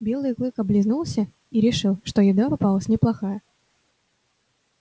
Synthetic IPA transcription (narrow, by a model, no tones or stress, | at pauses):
bʲe̞lˠɨjklˠɨkɐblʲɪznulˠsʲə | iɾʲɪʂɨlˠʂt̪ojɪd̪apɐpalˠəsʲnʲɪplˠɐxajə